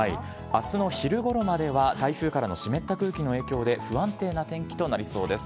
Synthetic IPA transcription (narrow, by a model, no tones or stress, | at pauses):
aḭ | asɨno̞çiɾɯ̟ɡo̞ɾo̞mad̪e̞βat̪aiɸɯ̟ːkaɾano̞ɕime̞t̪ːakɯ̟ːkʲino̞e̞ːkʲo̞ːd̪e̞ɸɯ̟ãnt̪e̞ːnat̪ẽ̞ŋkʲi̥t̪o̞naɾʲiso̞ːd̪e̞sɨ̥